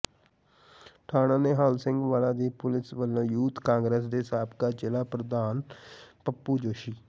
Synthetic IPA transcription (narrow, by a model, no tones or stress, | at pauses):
ʈʰaːɽãːneːɦaːlsɪŋɡʋaːlãːd̪iːpʊlɪsʋəlõːjuːt̪kãːŋɡɾeːs̬d̪eːsaːbkaːt͡ʃeːlaːpɾəd̪aːnpəpːuːd͡ʒoːʃiː